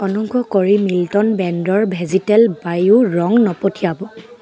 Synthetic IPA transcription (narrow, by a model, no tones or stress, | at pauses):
ɔnɔŋkɔkoɹimiltɔnbɛndɔɹbʱɛzitɛlbajʊɹɔŋnɔpotʰiabɔ